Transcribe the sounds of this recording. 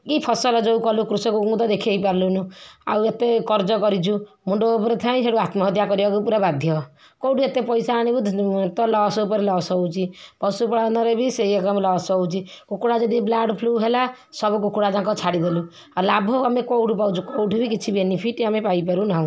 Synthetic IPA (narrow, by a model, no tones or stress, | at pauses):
kipʰɔsɔlɔd͡ʒɔwkɔlukɾusɔkuũd̪ɔd̪ekʰiejpaɾlunua̰wet̪ekɔɾd͡ʒɔkɔɾit͡ʃʰu | muɳɖoapɔɾet̪ʰaĩseɽuat̪mɔɦɔt̪jakɔɾibakupuɾabad̪ʱjɔ | kowʈʰuet̪epɔjsaaɽ̃ibit̪ɔlɔsɔwpɔɾilɔsɔwt͡ʃʰipɔsupɔɽanaɾebisejekɔmlɔsɔwt͡ʃʰikukuɽad͡ʒɔd̪iblaɖpʰluɦela | sɔbɔkukuɽad͡ʒãkɔt͡ʃʰaɽid̪elu | alabʱɔamekowʈupawt͡ʃʰukowʈʰubikit͡ʃʰibenipʰiʈamepajpaɾunaɦũw̃